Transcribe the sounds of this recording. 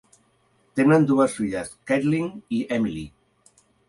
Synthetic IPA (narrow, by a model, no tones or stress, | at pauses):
t̪emnand̪uasfiʎaskɛt̪liŋiɛmili